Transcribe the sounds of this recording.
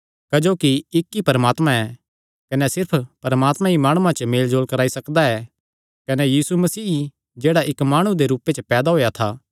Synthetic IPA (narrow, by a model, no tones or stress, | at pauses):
kɐd͡ʒoːkiɪkːipɐɾəmaːt̪mãɛ | kɐnɛsɪɾpʰpɐɾmaːt̪mãimaːɽ̃uãt͡ʃəmeːld͡ʒoːlkɐɾaːisɐkd̪aɛ | kɐnɛjiːsumɐsiː | d͡ʒeːɽaʔɪkmaːɽ̃ũd̪eɾuːpet͡ʃəpɛːd̪aɦoːjat̪ʰaː